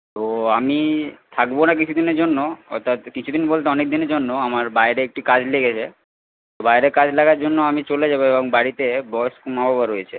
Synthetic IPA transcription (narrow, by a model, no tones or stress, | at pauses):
t̪oamit̪ʰakbonak̬it͡ɕʰud̪ineɾd͡ʑonːoɔ̰t̪ːat̪kit͡ɕʰud̪inbolt̪eɔnek̚d̪ineɾd͡ʑonːoamaɾbaeɾeek̚ʈikad͡ʑleɡet͡ɕʰe | t̪obajɾekad͡ʑlaɡaɾd͡ʑonːoamit͡ɕoled͡ʑabeeboŋbaɽit̪ebɔskumabʱabaɾoet͡ɕʰe